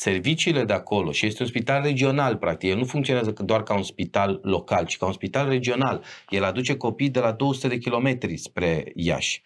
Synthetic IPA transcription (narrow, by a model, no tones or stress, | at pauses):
se̞rvit͡ʃiːle̞d̪eako̞lo̞̰ʃije̞st̪eunspit̪alre̞d͡ʒio̞nalpɾak̚t̪ikjelnufuŋkt̪sio̞neazəd̪oarkaunspit̪alːo̞kalt͡ʃi̥kaunspit̪alre̞d͡ʒio̞nalje̞lad̪ut͡ʃe̞ko̞pijd̪e̞lad̪o̞əsu̥t̪e̞d̪e̞k̬ʲilo̞me̞t̪ɾispɾe̞ja̰ʃʲ